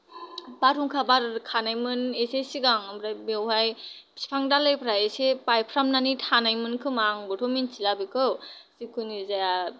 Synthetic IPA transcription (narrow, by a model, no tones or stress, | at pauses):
baɾuŋkʰabaɾkʰanajmɯnesesiɡaŋɯbɾajmewɦaj | si̥pʰaŋdalajpʰɾajesepajpʰɾamnanitʰanajmɯnkʰɯmaŋbɔtʰominsilabikʰɯwsikʰunizaja